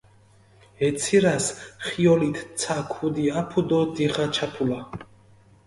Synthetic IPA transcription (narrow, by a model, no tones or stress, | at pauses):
ɛt̪sʰiɾasχiɔlit̪ʰsʰakʰud̪iapʰud̪ɔd̪iχat͡ʃʰapʰula